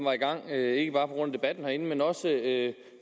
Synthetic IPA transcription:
mʋɑ̈iɡ̥ɑ̈ŋ̰e̝ɡ̥əb̥ɑ̈ːpʰɒ̽ɡ̥ɔ̽n̰æd̥e̝b̥æd̥n̩hɑæe̝n̩menɒ̽səø

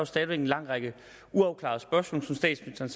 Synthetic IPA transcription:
sd̥ɛːðˠʋeɡnlɑ̈ŋ̰ʁɑɡ̥ə | uɑ̈ʊkʰlɑ̈ðˠsb̥ɶɐsmɔ̰ːlsɒ̽msd̥ɛ̰ːd̥smenisd̥ɐns

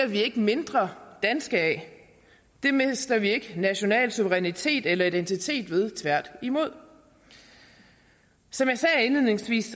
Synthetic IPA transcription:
ɐʋie̝ɡ̥əme̝nd̥ʁɐd̥ænsɡ̥əɛ | d̥e̝me̝sd̥ɐʋie̝ɡ̥ənæɕo̝nɛ̰ːlsuʋəʁɛnit͡sʰe̝̰ːd̥elɐid̥ent͡sʰit͡sʰe̝̰ːd̥ʋe̝ð̞ˠt͡sʰʋæɐ̰d̥imo̝ð̞̰ˠ | sɒ̽mjɑsɛːe̝nlið̰ˠne̝ŋsʋḭːs

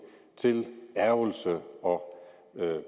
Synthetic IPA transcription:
t͡sʰe̝læɐʊlsəɒ̽

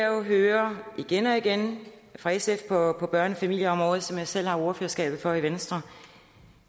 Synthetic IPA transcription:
æɦøːɐiɡ̥enɒ̽iɡ̥en | fʁɑ̈esefpʰɒ̽pʰɒ̽b̥ɶɐnəfæmil̰jəɒ̽mʁɔ̽ːð̞̩ˠsɒ̽mjɑ̈ɪsel̰hɑ̈o̝ɐføːɐsɡ̥ɛ̰ːb̥ð̩ˠfɒ̽iʋensd̥ʁɐ

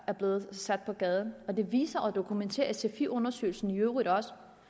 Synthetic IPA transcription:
æɐb̥le̝ːð̩ˠsæd̥̚pʰɒ̽ɡ̥ɛːð̞ˠn̩ɒ̽d̥e̝ʋḭːsɐʔɒ̽d̥o̝kʰument͡sʰe̝̰ːɐsʰe̝fiʔɔ̽nɐsø̰ɪl̩sn̩iøːʊʁid̥ɒ̽s

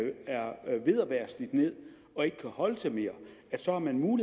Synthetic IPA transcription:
æɐʋe̝ðˠæʋæːɐsd̥id̥ne̝ð̰ˠ | ɒ̽e̝ɡ̥ə̥kʰæhɒ̽ləsʰeme̝ːɐæd̥sɒ̽hɑ̈mænmuːli

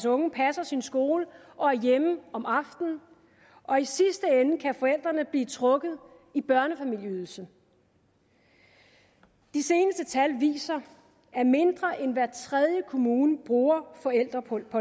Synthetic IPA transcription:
sɔ̽ŋəpʰæsɐsinsɡ̥o̝ːlə | ʔɒ̽æɐjeməɒ̽mɑ̈fd̥n̩ | ʔɒ̽isisd̥əenəkʰæfɒ̽el̰d̥ʁɐnəb̥liːt͡sʰʁɔ̽ɡ̥ð̩ˠ | ib̥ɶɐnəfæmil̰jəyːð̞ˠl̩sə | d̥ise̝ːnəsd̥ət͡sʰælʋḭːsɐ | ʔæɐme̝nd̥ʁɐʔenʋæɐt͡sʰʁɛð̞ˠjəkʰo̝muːnəb̥ʁuːɐfɒ̽el̰d̥ʁɐpʰɒ

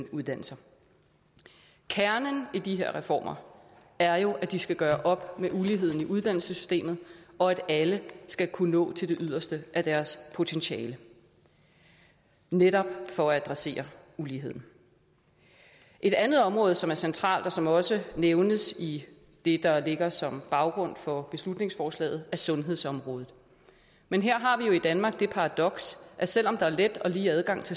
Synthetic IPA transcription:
uðˠd̥æn̰l̩sɐ | kʰæɐnənid̥iɦe̝ɐ̰ʁɛfɒ̰ːmʔɐ | æɐjo̝ʔæd̥isɡ̥æɡ̥ɶːɐʔɒ̽b̥meʔuliɦe̝ð̞̰ˠn̩iʔuð̞ˠd̥æn̰l̩səsy̥sd̥e̝̰ːmð̩ˠɒ̽æɾ̥æləsɡ̥ækʰunɔ̰̽ːt͡sʰe̝ld̥e̝ʔyðˠɐsd̥əʔæd̥æɐspʰo̝t͡sʰenɕɛːlə | neɾɒ̽b̥̚fɒ̽ææd̥ʁɑse̝̰ːɐuliːɦe̝ð̞̰ˠn̩ | ʔe̝d̥ænð̩ˠɒ̽mʁɔːðˠsɒ̽mæɐsent͡sʰʁɑ̰̈ːld̥ɒ̽sɒ̽mɒ̽səneʊnəsi | d̥e̝d̥ɑ̈le̝ɡ̥ɐsɒ̽mb̥ɑ̈ʊɡ̥ʁɔ̽n̰fɒ̽b̥e̝slud̥ne̝ŋsfɒːslɛ̰ːð̞̩ˠæsɔ̽nɦe̝ð̞̰ˠsɒ̽mʁɔ̽ːð̞ˠð̩ˠ | menɦeɐ̰ɦɑ̈ʋijo̝id̥ænmɑ̈ːɡ̥̚d̥e̝pʰɑ̈ʁɑ̈d̥ɒ̽ɡ̥sʔæɐsel̰ɒ̽md̥ɑ̈æɐled̥ɒ̽liːæðˠɡ̥ɑ̈ŋ̰t͡sʰe̝

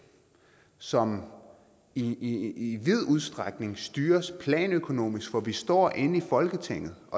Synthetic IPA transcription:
sɒ̽m | iiʋið̞̰ˠuð̞ˠsd̥ʁaɡ̥ne̝ŋsd̥yːɐspʰlɛ̰ːnøkʰo̝no̝̰ːmisɡ̥fɒ̽ʋisd̥ɒ̰ːʔe̝nəifɒ̽lɡ̥ət͡sʰeŋ̰ð̩ˠʔɒ̽

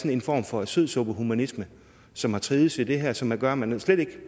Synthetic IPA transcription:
sne̝nfɒ̰ːmfɒ̽æ̥søðˠsɔb̥əɦumænismə | sɒ̽mhɑ̈t͡sʰʁiːð̩ˠsed̥e̝ɦæɐ̰sɒ̽mæɡ̥ɶɐmænsleɾ̥e̝ɡ̥

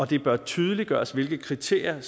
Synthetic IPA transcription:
ɒ̽d̥e̝b̥ɶɐt͡sʰyːð̞ˠəliɡ̥ɶːɐsʋe̝lɡ̥ð̩ˠkʰʁit͡sʰe̝̰ɐ̰jɐ

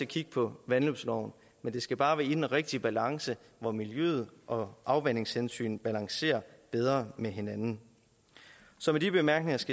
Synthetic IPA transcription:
ækʰiɡ̥əpʰɒ̽ʋænlob̥slɒʊn̩ | mend̥e̝sɡ̥æb̥ɑ̈ːʋæɐid̥enʁeɡ̥̚d̥ib̥ælɑ̈ŋsə | ʋɒmiljø̰ð̞̩ˠʔɒ̽ʔɑ̈ʊʋæn̰e̝ŋshensy̰ːn̩b̥ælɑ̈ŋse̝̰ːɐb̥eð̞ˠʁɐmeɦe̝nænn̩ | sɒ̽medib̥e̝mæɐɡ̥ne̝ŋɐsɡ̥æ

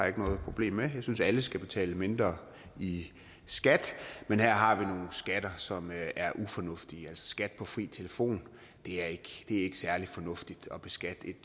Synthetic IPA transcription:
e̝ɡ̥ənɔ̽ːð̩ˠpʰʁo̝b̥le̝̰ːmːejɑ̈ɪsynsæləsɡ̥æb̥e̝t͡sʰɛ̰ːləme̝nd̥ʁɐː | i | sɡ̥æd̥menhæɐ̰ɦɑ̈ʋino̝ːn̩sɡ̥æd̥ɐsɒ̽mʔæɐʔufɒ̽nɔ̽fd̥iəælsɒ̥sɡ̥æd̥pʰɒ̽fʁḭːt͡sʰeləfo̝̰ːn | d̥e̝æɐe̝ɡ̥d̥e̝æɐe̝ɡ̥ə̥sæɐli̥fɒ̽nɔ̽fd̥id̥ɒ̽b̥e̝sɡ̥æd̥e̝d̥

